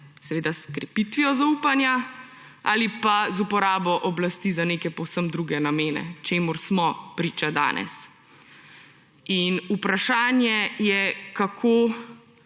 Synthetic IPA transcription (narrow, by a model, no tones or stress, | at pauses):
sɛʋeːd̪askɾɛpit̪ʋijɔzaupanja | a̰ːlipazupɔɾaːbɔʔɔblast̪izaneːkɛpɔwsəmd̪ɾuːɡɛnameːnɛ̰t͡ʃeːmuɾsmɔpɾiːt͡ʃad̪a̰ːnʔɛ̰s | inupɾaʃaːnjɛjɛkakʰo